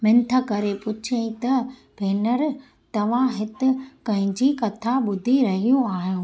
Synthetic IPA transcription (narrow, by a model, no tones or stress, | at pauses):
mɪ̃nt̪ʰə̆kɐɾepʊt͡ɕʰẽt̪ɐ | bʱeːnəɾ | t̪ɐʋ̤ãɦɪt̪ɪ̆kɐ̃ɦɪ̃ɲd͡ʑikɐt̪ʰaɓʊd̪ʱiɾɐɦijũaːɦjũː